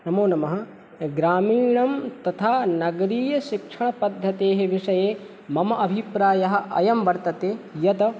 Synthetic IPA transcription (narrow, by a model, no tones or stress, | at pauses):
nɐmoːnɐmɐɦɐ̆ | ɡɾaːmiːɳɐmt̪ɐt̪ʰaːnɐɡɐɾiːjɐʃikʂɐɳɐpɐd̪ʱːɐt̪eːɦeʋiʂɐjeː | mɐmɐʔɐbʱipɾaːjɐɦɐ̆ʔɐ̰jɐmʋɐɾt̪ɐt̪eːjɐt̪ɐ